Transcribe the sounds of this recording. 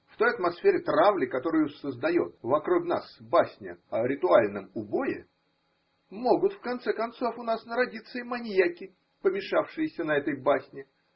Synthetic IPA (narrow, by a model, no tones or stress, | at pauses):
ft̪o̞jɐt̪mɐsfʲeɾʲɪt̪ɾavlʲɪkɐt̪o̞ɾɨjʊsəzd̪ɐjot̪̚vɐkɾukn̪a̰sbasʲnʲɪ̰ɐɾʲɪt̪ʊalʲnəmʊbo̞jɪ̰ | mo̞ɡʊt̪fkɐnt̪sɛkɐnt̪so̞fʊnasnəɾɐdʲit̪sːəɪmɐnʲjakʲɪ | pəmʲɪʂafʂɨjɪsʲənɐɛt̪əjbasʲnʲɪ